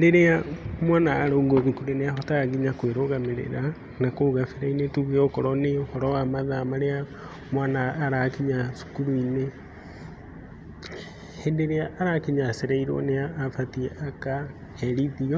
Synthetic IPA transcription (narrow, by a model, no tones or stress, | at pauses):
deɾeamwanaːɾooŋɡoðukuɾeneaɦɔtaɣiɲakweɾoɣameɾḛɾa | nakoɣafeɾainetuɣeokɔɾɔneohɔɾɔwamaðamaɾea | mwanaːɾakiɲasu̥kuɾuine | hendeɾeaʔːɾakiɲaseɾaiɾwɔ̰neaːfatiɛʔaka | hɛɾiðiɔ